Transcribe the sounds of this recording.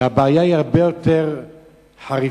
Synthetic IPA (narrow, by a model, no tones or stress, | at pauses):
abaːjaiaʁbe̞jo̞teʁ | ħaʁi